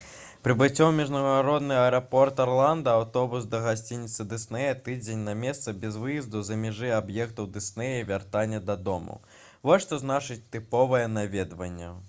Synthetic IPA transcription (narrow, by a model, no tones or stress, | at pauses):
pɾɨbɨt͡sʲːɔwmʲiʐnɐɣaɾɔd̪nɨɐɛɾapɔrt̪arlˠand̪ɐawt̪ɔbusd̪ɐɣasʲt͡sʲinʲːit̪sɨd̪ɨsnɛjɐt̪ɨd͡zʲenʲnɐmʲɛst̪sɐbʲɛzvɨjizd̪uzɐmʲɛʐɨabjɛkt̪ɐwd̪ɨsnɛjɐivʲart̪anʲːɐd̪ɐd̪ɔmɐ̰ | vɔsʲʂt̪ɔznat͡ʂɨt͡sʲt̪ɨpɔvɐjɛnavʲɛd̪vɐnʲːɐ̰